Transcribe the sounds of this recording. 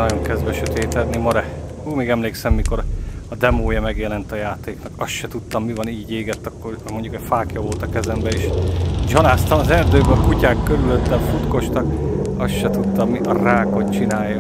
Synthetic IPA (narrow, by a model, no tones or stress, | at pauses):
ɒjo̞ŋkɛzvɛʃøt̪eːt̪ɛd̪nimɒɾɛ | uːmeːɡɛmleːksɛmːiko̞ɾɒd̪ɛmoːjɒmɛɡjɛlɛnt̪ɒjaːt̪eːknɒkɒst̪ʃɛt̪ut̪ːɒmːivɒniːɟeːɡɛt̪ːɒkːomo̞nɲɟukɛcfaːkjɒvo̞lt̪ɒkɛzɛmbɛeːʃd͡ʒɒnaːst̪ɒmɒzɛrd̪øːbɛɒkucaːkːøɾyløt̪ːɛɱfut̪ko̞ʃt̪ɒkɒsʃɛt̪ut̪ːɒmːiʔɒraːko̞t̪t͡ʃinaːjːɒ